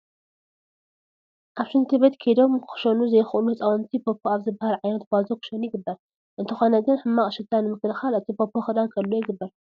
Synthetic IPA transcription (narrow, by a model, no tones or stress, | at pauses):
ʔaβʃɨnt̪ʰɨbet̪kʰed̪o̞mkʰɨ̥ʃɐnuzɐjxʔunuɐt͡sʼawɐnt̪ʰipʰopʰːoaβzɨbahalʕajnɐt̪̚bazokɨ̥ʃɐnujɪɡɨbːɐɾ | ʔɨnt̪ʰɨxonɐɡɨnħɨmːakʼʃɨd̪anɨmɨklɨxalɨt̪ʰipʰopʰːoxɨd̪ankʰɐlːojɪɡɨbːɐɾ